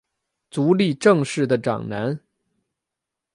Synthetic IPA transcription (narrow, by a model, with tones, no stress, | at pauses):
t͡su˧˥li˥˧ʈ͡ʂɤ˥˧ŋʂɻ̩˥˩d̪ə˩ʈ͡ʂɑ̰˨˩ŋna˧˥n